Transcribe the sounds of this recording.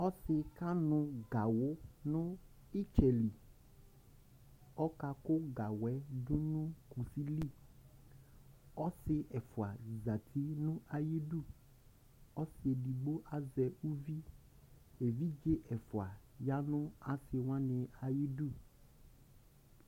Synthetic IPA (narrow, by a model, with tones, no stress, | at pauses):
ɔ˦sɪ˨ka˦nʊ̃˦ɡa˨wʊ˦nʊ̃˦ | i˦t͡ʃɛ˨li˨ | ɔ˦ka˨kʊ˦ɡa˨wɛ˦du˦nũ˦ku˨si˦li˦˨ | ɔ˦sɪ˦ʔɛ˨fʊ˨a˨za˨t̪ʰi˦nʊ̃˦ʔa˨ji˦ɖu˦˨ | ɔ˦sɪ˨e˨di˨ɡ͡bo˦ʔa˨zɛ˨u˦vi˦ | e˨vi˦d͡ʒe˦ʔɛ˨fʊ˨a˨ja˦nʊ̃˦a˨sɪ˨wã˦nɪ̃˨a˨ji˦du˦˨